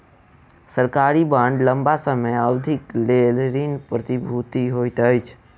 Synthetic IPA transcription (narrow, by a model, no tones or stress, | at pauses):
səɾkaɾibãɳɖləmbasəməjəʊd̪ʱiklelɾinpɾət̪ibʱut̪iɦojt̪əjt͡ʃʰ